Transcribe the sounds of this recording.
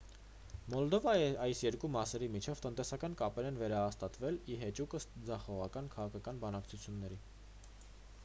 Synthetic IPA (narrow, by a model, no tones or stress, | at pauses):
mɔld̪ɔvɑɑjsjɛɾkumɑsɛɾimit͡ʃʰɛvt̪ən̪t̪ɛsɑkɑnkɑpɛɾɛnvɛɾɑɦɑst̪ɑt̪vɛliɦɛt͡ʃukəsd͡zɑχɔʁɑkɑnkʰɑʁɑkʰɑkɑnbɑnɑkt͡sʰut͡sʰjunːɛɾi